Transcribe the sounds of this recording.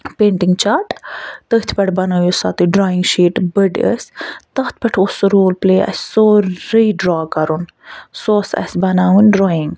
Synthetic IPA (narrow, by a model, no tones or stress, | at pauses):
peːɳʈiŋɡt͡ʃaːʈt̪əht̪ʰpɐʈbɐnɐjusa̰ːt̪uɖɾaːiŋɡʃiːʈbəɖə̰sʲt̪ɐt̪̚ʰpɐʈʰosːoɾoːlpleːɐ̰ssoːɾəjɖɾaːkɐɾun | soːsɐ̰sʲbɐnaːwunʲɾoːjiŋɡ